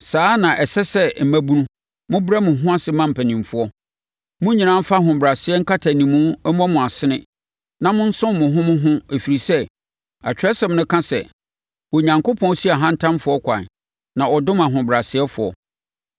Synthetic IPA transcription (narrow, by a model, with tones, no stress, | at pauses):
saː˨˦nã˨ʔɛ˨sɛ˦sɛ˦m̩˨mæ̃˦bu˦nũ˦ | mʊ̃˦bɾa˦mʊ̃˨ɦʊ̃˦a˦sɪ˨mã˦m̩˨pʰæ˨nĩ˨m˨fʊ˦ɔ˦ | mʊ̃˦ɲĩ˨nã˦m̩˦fa˦ɦʊ̃˨bɾa˨sɪ˦ɛ˦ŋ̩˦kʰa˦tʰa˨nĩ˨mũ˦ɛ˦m˦ɔ̃˦mʊ̃˨a˨sɪ˦nɪ̃˦ | nã˦mʊ̃˦n̩˦sʊ̃˦m˦mʊ̃˨ɦʊ̃˦mʊ̃˦ɦʊ̃˦e˨fi˨ɾi˨sɛ˦ | a̰˨t͡ɕᶣɾɛ˦sɛ̃˨mnʊ̃˦kʰã˦sɛ̰˨ | wɔ˨ɲã˨ŋko˦pʰɔ̃˦n˦si˦a˨ɦã˦n̩˦tʰã˦mfʊ˦ɔ˦kʷʰã̰˨n | nã˨ɔ˨dʊ̃˦mã˨ɦʊ̃˨bɾa˨sɪ˨˦ɛ˦fʊ˨ɔ̰˨